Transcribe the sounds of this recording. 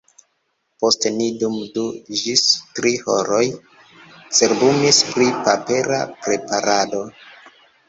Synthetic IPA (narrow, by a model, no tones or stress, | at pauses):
po̞stenidumduʒistɾihoɾo̞j | t͡se̞ɾbumispɾipape̞ɾa̰pɾe̞paɾado̞